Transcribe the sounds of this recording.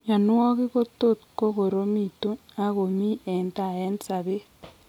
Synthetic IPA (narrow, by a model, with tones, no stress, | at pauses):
ja˨nwɔ˦kɪ˦ko˦to˦t̚ko˦ko˨ɾo˦mi˨tu˦na˦ko˨mi˦ɛ˨nta˨ɛ˦nsa˨be˦